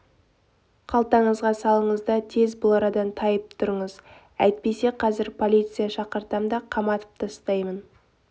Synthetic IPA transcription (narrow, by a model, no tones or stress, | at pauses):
qʰɑlˠt̪ɑɴəzʁɑsɑlˠəɴəzd̪ɑt̪ʰe̞zbʊlˠɑɾɑd̪ɑnt̪ʰɑjəp̚t̪ʰʊɾəɴəz | æjt̪̚pe̞se̞qʰɑzɪɾpʰo̞lʲˠit̪sɨjaʃɑqəɾt̪ɑmd̪ɑqʰɑmɑt̪ə̥p̚t̪ʰəst̪ɑjmən